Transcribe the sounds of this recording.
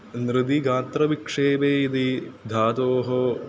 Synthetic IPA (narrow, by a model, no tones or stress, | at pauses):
nɾɪd̪iɡaːnt̪ɾɐʋikʂeːbeːid̪id̪ʱaːt̪oːɦo